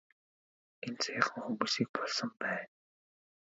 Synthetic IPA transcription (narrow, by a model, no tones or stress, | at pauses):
ent͡sʰaaχə̆ŋxumuːsiːk̚pɔɮsɞ̆mpæːn